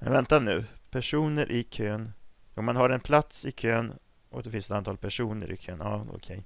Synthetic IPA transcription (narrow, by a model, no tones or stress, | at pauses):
mɛ̰nvɛnt̪anʉ̟ːpʰæʂuːnəɾʔɪkʰøːnɔmanɦaɾɛnpʰlat̪sɪkʰøːn | ʔɔd̪ɛfɪnsɛt̪ant̪ʰɑːlpʰæʂuːnə̰ɾʔɪ̰kʰøːnɑːɔ̰kʰɛj